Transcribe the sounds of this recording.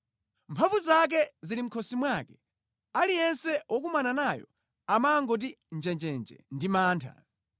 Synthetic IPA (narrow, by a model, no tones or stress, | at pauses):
mpʰavuzak̬ɛzilim̩kʰɔsimwaːkɛ̥ | alijɛnsɛwɔk̬umananajɔ̰ | amaŋɡɔt̬i | nd͡ʒɛnd͡ʒɛnd͡ʒɛ̰ndimaːntʰa̰